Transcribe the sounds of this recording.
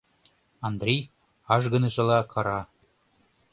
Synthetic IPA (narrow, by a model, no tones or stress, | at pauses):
ɑnd̪rʲej | ɑʒɡɤ̆nɤ̆ʒɤ̆lɑkʰɑɾɑ